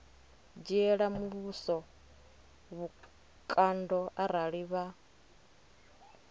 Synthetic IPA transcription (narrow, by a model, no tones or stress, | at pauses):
d͡ʒiɛɺamuβusɔ | βu | kʼandɔaɾaɺiβa